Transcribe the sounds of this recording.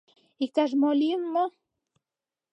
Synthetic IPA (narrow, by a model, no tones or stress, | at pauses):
ikaʐ̬moliŋːo